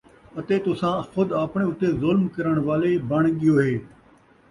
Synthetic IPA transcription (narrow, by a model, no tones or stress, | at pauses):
ɐt̪eːt̪ʊsãːxʊd̪aːpɳ̃ẽːʊt̪eːzʊlmkɐɾəɽ̃ʋaːlebəɳ̃ɠɪjoːɦeː